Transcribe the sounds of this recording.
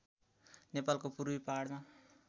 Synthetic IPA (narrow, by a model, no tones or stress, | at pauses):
nepalkopuɾwipaɽma